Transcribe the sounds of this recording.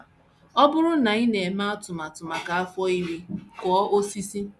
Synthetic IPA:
ɔ˦bʊ˦ɾʊ˦na˨i˦ne˨e˨ma˦a˦tʊ˨ma˨tʊ˨ma˨ka˨a˦fɔ˦i˦ɾi˦kɔ˨˦ʔo˦si˦si˦

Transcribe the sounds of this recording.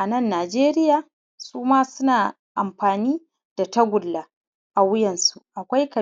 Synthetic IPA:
ʔa˨nɐ˦˨nːaː˨d͡ʒeː˦ɾɪ˦jaː˨ | suː˦maː˦sʊ˦naː˨ | ʔa˨mɸaː˨niː˦ | d̥a˨tɐ˦ɡʷʊ˨lːa˦ | ʔa˨wʊ˦jɛ˨nsu˨ʔa˨kʷa˦jkɐ˨

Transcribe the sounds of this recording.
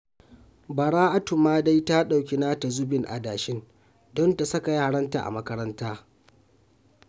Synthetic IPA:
ba˨ɽaː˦ʔa˦tʊ˨maː˦da˦jta˦ɗa˨wkʲe˨na˦ta˨zʊ˦bɪ˨ŋʔa̰˨daː˨ʃɪ˦n | dɔ˦nta˨sɐ˦ka˨ja˦a˨ɽɐ˦nta̰˨ʔa̰˨mɐ˦kɐ˦ɾɐ˦ntaː˦

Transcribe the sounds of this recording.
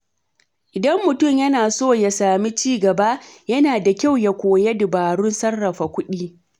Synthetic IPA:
ʔɪ˨dɐ˦mːʊ˨tʊ˦˨mjɐ˦naː˨soː˦˨ja˨saː˨mi˦t͡ʃiː˦ɡɐ˨ba˦ʔjɐ˦naː˨da˨kʲa˦˨wja˦kʷoː˨je˦dɪ˨baː˨ɽʊ˦nsɐ˦rːɐ˨ɸa˨kʷʊ˦ɗiː˦

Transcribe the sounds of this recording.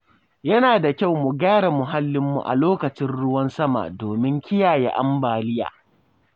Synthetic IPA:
jɐ˦naː˨da˨kʲa˦˨wmu˨ɡaː˦ɽa˨mʊ˨ɦa˦lːɪ˦mːṵ˨ʔa̰˨loː˦kɐ˨t͡ʃɪ˦nɽʊ˦wɐ˦nsɐ˦ma̰˨doː˨mɪ˦ŋkʲɪ˦jaː˨je˦ʔa̰˦mbaː˨lɪ˦ja̰ː˨

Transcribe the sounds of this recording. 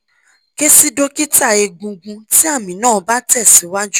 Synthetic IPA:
ke˦si˦do˦ki˦ta˦˨e˧ɡũ˧ɡũ˧ti˦a˦˨mĩ˨nãː˦˨˦ba˦tɛ˦˨si˨˦wa˦d͡ʒu˦

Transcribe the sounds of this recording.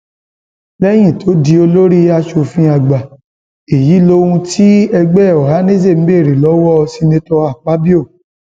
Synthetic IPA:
lɛ˦j̃ĩ˦˨tʰo˨˦di˧o˧lo˦ɾi˦a˧ʃo˧fĩ˦a˧ɡ͡ba˨ | e˨ji˨˦lo˧˦wũ˧tʰi˦ɛ˧ɡ͡bɛ˦˨ɔ˨ɦa˨˦nẽ˦d͡ʒe˦˨m̩˦be˦˨ɾi˨lɔ˨˦wɔ˦˧si˧nĩ˧tɔ˧a˨k͡pa˨˦bi˦o˦˨

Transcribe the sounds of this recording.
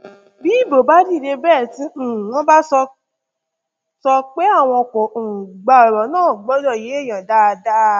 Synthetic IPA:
bi˨˦i˦˨bo˨ba˦di˦˨ɾe˧bɛː˦˨tĩ˦˨w̃ɔ̃˦ba˦sɔ˧ | sɔ˧k͡pe˦a˦˨w̃ɔ̃˧kɔ˨o˨ũ˨ɡ͡ba˧ɔ˨ɾɔ˨˦nãː˦˨ɡ͡bɔ˨˦dɔ˦˨je˨˦e˦˨j̃ã˨da˦˧da˦

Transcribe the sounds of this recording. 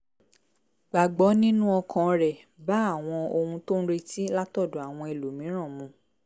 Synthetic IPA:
ɡ͡ba˨ɡ͡bɔ˨˦nĩ˦nũ˦ɔ˧kʰã˧ɾɛ˨ | ba˨˦a˦˨w̃ɔ̃˧o˧hũ˧tõ˦ɾe˧ti˦la˦tɔ˦˨do˨a˨w̃ɔ̃˧e˨lu˨mĩ˨˦ɾ̃ã˦˨mũ˨˧˦

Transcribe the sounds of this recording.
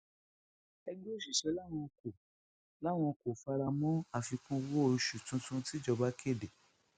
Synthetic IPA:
ɛ˧ɡ͡bo˦˨ʃi˨ʃɛ˨˦la˦˨w̃ɔ̃˧ko˨ | la˦˨w̃ɔ̃˧ko˨fa˧ɾa˧mɔ̃˦a˦˨fi˧kũ˦wo˦˧ʃu˨tũ˨˦tũ˦ti˦d͡ʒɔ˧ba˦kʰe˦˨de˨

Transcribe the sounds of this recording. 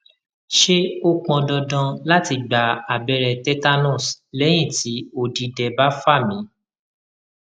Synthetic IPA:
ʃe˦o˦k͡pɔ̃˧dɔ˧dɔ̃˧la˦ti˧ɡ͡ba˨a˨bɛ˧ɾɛ˧tɛ˦ta˦nɔ̃˦˨slɛ˦j̃ĩ˦˨ti˨˦o˧˨di˧dɛ˧ba˦fa˦˨mĩ˨˦

